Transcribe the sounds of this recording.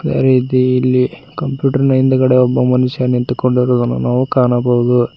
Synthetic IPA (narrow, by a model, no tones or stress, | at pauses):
d̪a̰ɾiːt̪iːlːikɐmpjuːʈɐɾnɐjind̪ɐkɐɽeɔbːɐmɐnuʂjɐnint̪uko̞ɳɖiɾoːd̪ɐnːṵnaːʋukaːnɐbɐʋud̪u